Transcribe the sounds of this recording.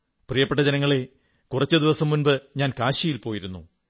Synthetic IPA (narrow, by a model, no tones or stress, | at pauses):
prijɐpːeʈːɐd͡ʑɐnɐŋːɐɭe̞ | kurɐt͡ɕːɨd̪iʋɐsɐmːunbɨɲaːnkaːɕjɐjilpo̞ːjiɾunːṵ